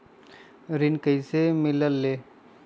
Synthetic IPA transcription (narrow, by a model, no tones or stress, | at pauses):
ɾinkəjsemiləlːe